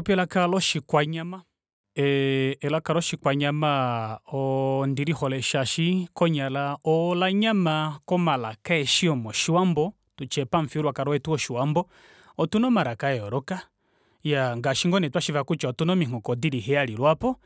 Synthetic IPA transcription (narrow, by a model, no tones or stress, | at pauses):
ɔpɛlakalɔʃikwaɲama | ɛɛlakalɔʃikwaɲamaɔndiɾihɔlɛʃaʃikɔɲalaɔlaɲamakɔmalakaɛʃiɔmɔʃiwambɔ | tut͡ʃɛpaɱfiɾwakaɾɔwɛtuɔʃiwambɔ | ɔtunɔmaɾakaɛɔɾɔka | jaŋɡaʃiŋɡɔnɛtwaʃivakut͡ʃaɔtunɔmiŋ̥ɔkɔdiɾiɦɛalilwapɔ